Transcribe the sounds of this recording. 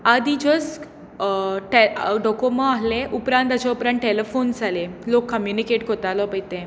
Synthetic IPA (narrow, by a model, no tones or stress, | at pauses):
ad̪id͡ʑəs | ʈeɖɔkomɔ̃aɦleʔupɾãnt̪at͡ɕaupɾãnʈʈelefond͡zʱalelokːəmjunikeʈkɔt̪alɔpəjt̪ẽ